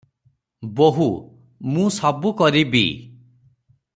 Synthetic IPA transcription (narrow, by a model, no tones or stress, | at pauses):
boɦu | mũsɔbukɔɾibḭ